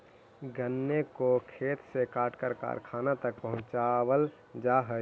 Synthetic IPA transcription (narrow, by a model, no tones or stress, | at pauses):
ɡənːekokʰeːt̪sekaːʈkəɾka̰ːɾkʰaːnat̪ək̚pəɦʊ̃t͡ʃaːwəl | d͡ʒaːɦə